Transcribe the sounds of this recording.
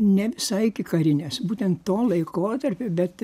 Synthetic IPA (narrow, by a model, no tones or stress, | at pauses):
nʲɛʋʲɪsɐɪkʲɪkɐɾʲɪnʲesbuːt̪ʲɛnt̪ːtoːlˠɐɪkoːt̪ɐrʲpʲoːbʲɛt̪